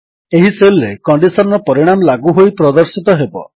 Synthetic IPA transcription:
eɦiselɾekɔɳɖisɔnɾɔpɔɾiɽ̃amɔlaɡuɦojpɾɔd̪ɔɾsit̪ɔɦebɔ̰

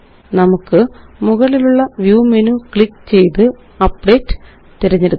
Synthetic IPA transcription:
nɐmukːɨmuɣɐɭiluɭːɐʋjuːmenukɭikːt͡ɕe̞jt̪ɨ | ɐpɖe̞ːʈːɨ̥ | t̪iɾɐɲːɐɾu

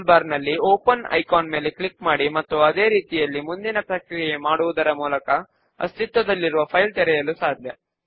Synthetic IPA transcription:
lbaːɾnɐlːioːpɐnɐ̰jkaːnmeːleklikmaːɽimɐt̪ːuɐd̪e̞ːɾiːt̪ijɐlːimund̪inɐpɾɐkɾijemaːɽuʋud̪ɐɾɐmuːlɐkɐ | ɐ̰st̪it̪ʋɐd̪ɐlːiɾuʋɐpʰɐjlt̪ɛɾɛjɐlusaːd̪ʱjɐ

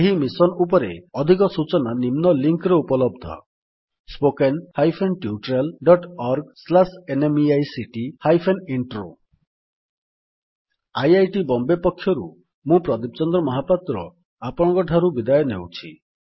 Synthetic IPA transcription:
eɦimisɔnupɔɾeɔd̪ʱikɔsut͡ʃɔnanimnɔliŋkɾɔupɔlɔbd̪ʱɔ̰ | spokenhajpʰenʈjuuʈɾalɖɔʈɔɾɡslasenemiajsiʈihajpʰeniɳʈɾo | ajajʈibɔmbepɔkʰːjɔɾu | mũpɾɔd̪ip̚t͡ʃɔnd̪ɾɔmɔɦapat̪ɾɔ̰ | apɔɽ̃ɔ̃kɔʈʰaɾubid̪ajɔnewt͡ʃʰi

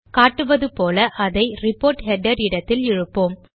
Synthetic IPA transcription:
kaːʈːɯʋɐðɯpoːlɐʔɐðɐɪrɪpːoːɾʈɦɛɖɐɾɪɽɐt̪ːɪlɪɻɯpːoːm

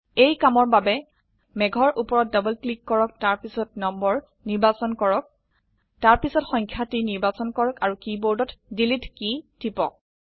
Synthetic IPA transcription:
ejkamɔɹbabɛ | mɛɡʱɔɹʔupɔɹɔt̚dɔbɔlklikːɔɹɔk̚taɹpisɔtnɔmbɔɹ | niɹbasɔnkɔɹɔk̚ | taɹpisɔtxɔŋkʰjatiniɹbasɔnkɔɹɔkaɹukiboɹdɔtdilitkid̥ipɔk̚

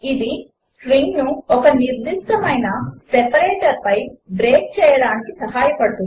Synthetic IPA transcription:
id̪i | sɾiŋɡnuɔkɐniɾd̪iʂʈ̪ɐmɐjnɐsɛpɐɾeːʈɐɾpɐjbɾeːk̚t͡ʃɛːjɐɽaːnikisɐɦaːjɐpɐɽut̪u

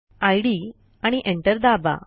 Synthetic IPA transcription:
ajɽiː | aɽ̃iʔeɳʈəɾd̪aba̰

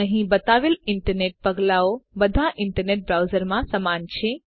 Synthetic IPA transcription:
əɦĩbət̪aʋelɪɳʈəɾneʈ̚pəɡlaobəd̪ʱaʔɪɳʈəɾneʈ̚bɾawzəɾmãsəmant͡ʃʰe

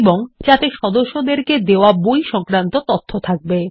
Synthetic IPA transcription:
boŋd͡ʑat̪eʃɔd̪oʃːod̪eɾked̪eoabojʃɔŋkɾant̪ot̪ot̪ʰːot̪ʰak̚be

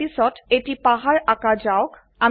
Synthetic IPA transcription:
isɔtetipaɦaɹakad͡ʒaʊk | a

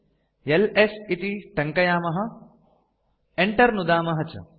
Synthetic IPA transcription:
jelesit̪iʈɐŋkɐjaːmɐɦɐ̆ | eɳʈɐɾnud̪aːmɐɦɐt͡ʃɐ̰

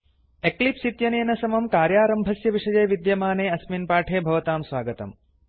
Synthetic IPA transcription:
eklipsit̪jɐneːnɐsɐmɐmkaːɾjaːɾɐmbʱɐsjɐʋiʂɐd͡ʒɐjʋid̪jɐmaːneːɐsminpaːʈʰeːbʱɐʋɐt̪aːmsʋaːɡɐt̪ɐ̰m

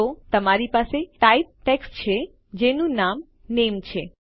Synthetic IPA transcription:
ot̪əmaɾipaseʈajb̚ʈeksʈt͡ɕʰe | d͡ʒenũnam | nemt͡ʃʰe

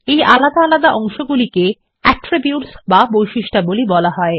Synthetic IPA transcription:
ejʔalad̪aalad̪aʔɔŋʃoɡulike | ɛʈɾibjuʈsbabojʃiʃʈabolibɔlaɦɔe

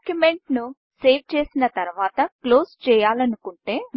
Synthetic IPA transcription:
kjume̞ɳʈnu | se̞ːʋt͡ʃe̞ːsinɐt̪ɐɾuʋaːt̪ɐklo̞ːst͡ʃɛːjaːlɐnukuɳʈe̞ː

